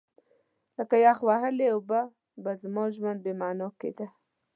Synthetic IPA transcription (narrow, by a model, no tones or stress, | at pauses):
ləkajɑxwaɦəleoba | bazmoʒmanbemɑnokḛd̪a